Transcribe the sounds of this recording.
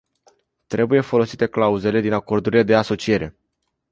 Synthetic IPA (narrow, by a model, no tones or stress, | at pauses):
t̪ɾe̞buje̞fo̞lo̞sit̪e̞klauze̞le̞d̪inako̞rd̪uɾile̞d̪e̞aso̞t͡ʃije̞ɾe̞̰